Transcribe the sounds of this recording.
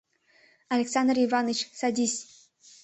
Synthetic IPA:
alʲeksand̪rivɑnɨt͡ɕsad̪ʲisʲ

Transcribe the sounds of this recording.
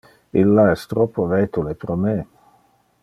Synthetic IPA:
ilːaɛst̪ɾɔpʰːoveːt̪ulepɾome

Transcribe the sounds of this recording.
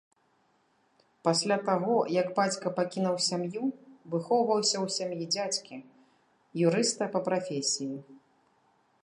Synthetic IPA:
pasʲlʲat̪aɣɔjɐɡbat͡sʲkɐpakʲinɐwsʲamjuvɨxɔwvɐwsʲɐwsʲamjid͡zʲat͡sʲkʲi | juɾɨst̪ɐpɐpɾafʲesʲiji

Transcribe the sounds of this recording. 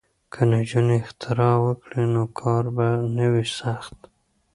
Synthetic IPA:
kʰənad͡ʒuneɪxt̪ʰɪɾɑwəkɽinokʰɑɾbanəwisaxt̪

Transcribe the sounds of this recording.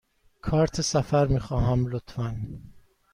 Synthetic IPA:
kʰɒːɾt̪ʰesæfæɾmiːxɒːɦæmlot̪ʰfæn

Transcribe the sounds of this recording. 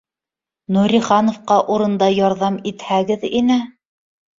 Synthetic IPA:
nuɾʲiχɑnŏfqɑʔuɾɤ̆nd̪ɑjɑɾðɑmit̪hæɡɘðinɘ

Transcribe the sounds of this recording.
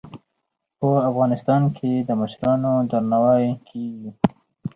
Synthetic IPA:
pəafɣɑnɪst̪ɑnkʰed̪əməʃɾɑnod̪aɾnawɑjkʰeɡi

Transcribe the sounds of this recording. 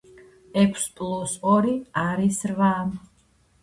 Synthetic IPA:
ɛkʰspʼlusɔɾiaɾisɾvaːm

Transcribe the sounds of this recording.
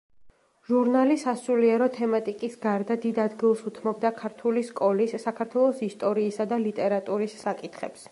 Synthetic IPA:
ʒuɾnalisasuliɛɾɔt̪ʰɛmat̪ʼikʼisɡaɾd̪ad̪id̪ad̪ɡilˠsut̪ʰmɔbd̪akʰaɾt̪ʰuliskʼɔlisːakʰaɾt̪ʰwɛlˠɔsist̪ʼɔɾiːsad̪alit̪ʼɛɾat̪ʼuɾisːakʼit̪ʰχɛ̰ps

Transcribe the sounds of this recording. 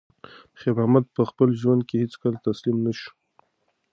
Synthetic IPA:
xebamad̪̚pəxpəlʒwand̪̚kehet͡skalat̪aslimnaʃu̥

